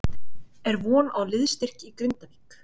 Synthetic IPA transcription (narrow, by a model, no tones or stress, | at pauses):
ɛɾvɔːnawlɪðst̪ɪr̥cikɾʏnt̪aviːk